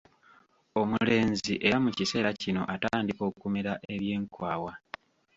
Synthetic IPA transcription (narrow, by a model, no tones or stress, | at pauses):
o̞mule̞ːnziʔe̞mucise̞ːɾacino̞̰ʔataːndiko̞ːkkumeɾaʔe̞βje̞ːŋkwaːwa